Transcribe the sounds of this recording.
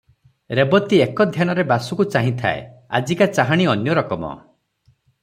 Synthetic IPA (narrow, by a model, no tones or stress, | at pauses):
ɾebɔt̪iekɔd̪ʱjañɔɾebasukut͡ʃaɦĩt̪ʰa̰ḛa̰d͡ʒikat͡ʃaɦaɽ̃iɔnjɔɾɔkɔmɔ̰